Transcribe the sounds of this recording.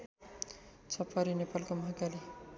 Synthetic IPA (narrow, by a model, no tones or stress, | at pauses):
t͡sʰʌpːaɾinepalkomʌɦakali